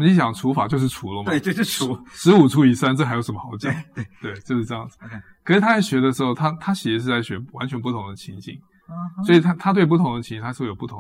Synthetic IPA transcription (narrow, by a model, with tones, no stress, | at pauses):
məni˥˩t͡ɕjɑ˨˩ŋʈ͡ʂʰu˧˥fa˨˩t͡ɕjo˥˧ʊʂ̬̩˥˩ʈ͡ʂʰu˧˥lə˧mɐ˥˧t͡ɕo˥˧˥u˧˥ʂɻ̩˧˥u˨˩ʈ͡ʂʰu˥i˨˩sa˥nʈ͡ʂɤ˥˧˩xɪjo˧˥ʊʂə˧˦mə˧xɑ˧˥ʊt͡ɕɛ̰˨˩˦t̪we˥˩ɪt͡ɕjo˥˧ʊʂɻ̩˥˩ʈ͡ʂɤ˥˧jɑ˥˩ŋd͡zɹkkʰʂɻ̩˨˩t̪ʰa˥t͡sa˥˩ɪɕɥɛ˧˥d̪ə˧ʂ̬ɻ̩˧˥xo˥˧ʊt̪ʰa˥t̪ʰa˥t͡ɕi˨˩ɛ˧˥ʂɻ̩˥˧t͡sa˥˩ɪɕɥɛ˧˥wa˧˦nt͡ɕʰɥɛ˧˥np̬u˥˩t̪ʰʊ˧˥ŋd̪ə˧t͡ɕʰi˧˥nt͡ɕḭ˨˩ŋ | swɔ˧˥i˨˩t̪ʰa˥t̪ʰa˥t̪we˥˧ɪp̬u˥˩t̪ʰʊ˧˥ŋd̪ə˧t͡ɕʰi˧˥t͡ɕi˧˥˧wjo˨˩pu˥˩ʊ˧˦